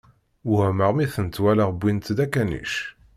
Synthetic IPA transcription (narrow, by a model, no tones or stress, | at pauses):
məʁmiθənt̪ːwæləʁbːint̪d̪ækːænḭʃ